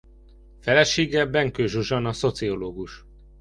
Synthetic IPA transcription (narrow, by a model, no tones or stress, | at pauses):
fɛlɛʃeːɡɛbɛŋkøːʒuʒɒnɒso̞t̪sio̞loːɡuʃ